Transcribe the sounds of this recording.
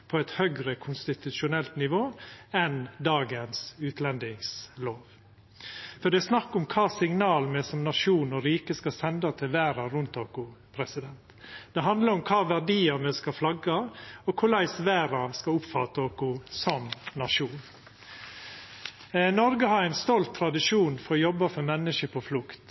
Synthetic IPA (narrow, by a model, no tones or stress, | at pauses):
pʰɔɛt̪hœɡɾəkʰʊnst̪ɪt̪ʉʃʊnɛlt̪nɪʋoːɛnd̪ɑːɡənsʉːt̪ʰlɛnd̪ɪŋsloːʋ | fɔɖɛsnɑkːʊmkʰɑːsɪŋnɑːlmɛsɔmnɑʂuːnɔɾiːkəskɑsɛnd̪ɑt̪ʰɪlʋæːɾɑɾʉnt̪oːkʊpʰɾɛsɪd̪ɛnt̪d̪̥ɛɦɑnd̪ləɾʊmkʰɑːʋæɾɖiːɑmɛskɑflɑɡɑɔkʰʊlæɪsʋæːɾɑskɑʊpfɑt̪əoːkʊsɔmnɑʂuːn | nɔɾɡəhɑɾæɪnst̪ɔlt̪ʰːɾɑd̪ɪʂuːnfɔɾɔjɔbːɑfɔɾmɛnːəʃəpʰɔflʊkt̪